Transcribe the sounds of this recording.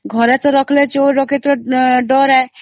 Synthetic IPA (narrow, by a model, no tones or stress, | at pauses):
ɡʱɔɾɛt͡sɔɾɔkʰlet͡ʃoːɾɔket̪ɾɔɖɔɾɛ